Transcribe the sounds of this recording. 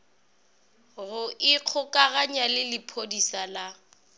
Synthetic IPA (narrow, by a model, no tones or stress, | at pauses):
ɣʊɪq͡χʰʊkʼaɣaɲalɪlɪpʰodisala